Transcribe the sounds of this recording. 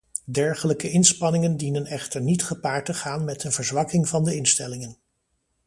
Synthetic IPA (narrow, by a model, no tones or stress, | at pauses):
dɛɹχələkəɪnspɑnɪŋəndinənɛχtəɹnitχəpaːɹtəχaːnmɛtənvəɹzʋɑkɪŋvɑndəɪnstɛlɪŋən